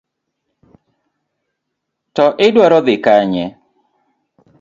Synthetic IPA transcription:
tɔʔɪdwaɾɔðɪkaɲɛ

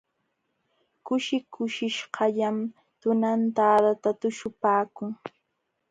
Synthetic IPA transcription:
kʊʃɪkʊʃɪʃhɑʎam | t̪ʊnant̪aːd̪at̪at̪ʊʃʊpaːkʊŋ

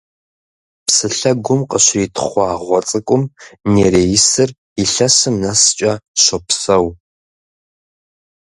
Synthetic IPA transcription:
psɨɬɐɡʷʊmqəɕitʰχʷɑːʁʷɔt͡sʼɨkʷʼʊmneːɾeːjɪsɨr | iɬɐsɨmnɐst͡ʃʼɐɕʷɐpsɐw

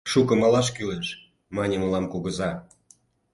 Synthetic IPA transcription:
ʃukɤ̆mɑlɑʃ̬kylenʃ | mɑnʲemə̆lɑmkuɣə̆zɑ

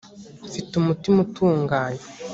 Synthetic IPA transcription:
fitumutimutʰuːŋɡaːɲe

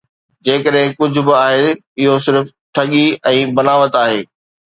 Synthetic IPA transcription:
d͡ʑeːkəɗɦɪ̃kʊd͡ʑʱʊ̆bɪaːɦeː | ɪɦos̬ɪɾf | ʈʰɐɠiɛ̃ːbɐnaːʋət̪aːɦeː

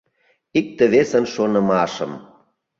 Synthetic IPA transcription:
ik̚t̪ə̆βesə̆nʃonə̆mɑʃə̰m

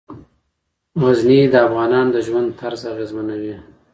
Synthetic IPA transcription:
waznid̪əafɣɑnɑnd̪əʒwand̪̚t̪ʰaɾzaɣezmanawi

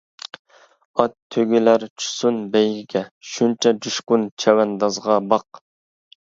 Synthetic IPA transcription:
ɑt̪ʰːøɡʲilæɾt͡ʃʰu̥sunbɛjɡʲiɡʲɛʃunt͡ʃʰɛd͡ʒuʃqʊnt͡ʃʰɛwɛnd̪ɑzʁɑbɑq̚

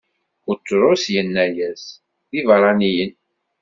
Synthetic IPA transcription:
ʊtːɾˤʊsjənːæjæs | ðivəɾˤɑnijən

